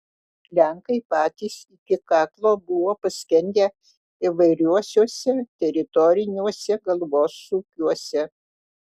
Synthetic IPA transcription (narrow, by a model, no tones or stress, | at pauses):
lʲɛŋkɐɪpɑːt̪ʲiːsɪkʲɪkɑːklˠoːbʊʋoːpɐsʲkʲɛnʲd̪ʲeː | ɪʋɐɪɾʲuɔsʲuɔsʲɛt̪ʲɛɾʲɪt̪ɔɾʲɪnʲuɔsʲɛɡɐlˠboːsuːkʲuɔsʲɛ